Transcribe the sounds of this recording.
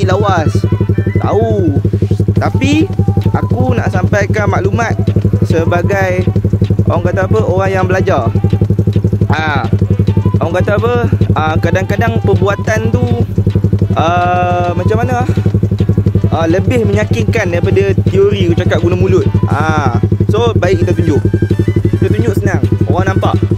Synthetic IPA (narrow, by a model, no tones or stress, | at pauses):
ilawast̪a̰u | t̪apiʔakuna̰ʔsampajkanmaʔlumãt̪̚səbaɡajʔo̰ɾaŋkat̪aapəʔoɾaŋjaŋbəlad͡ʒar | a | ʔoaŋkat̪apəəkadaŋkadaŋpəbuat̪ant̪u | əmat͡ʃamanəah | ʔələbɪhməɲakɪnkandaipadat̪ioɾikut͡ʃakaʔ̚ɡunamulʊt̪̚asobaik̚it̪at̪uɲd͡ʒʊʔkit̪at̪uɲd͡ʒʊʔsənaŋoɣaŋnampa̰ʔ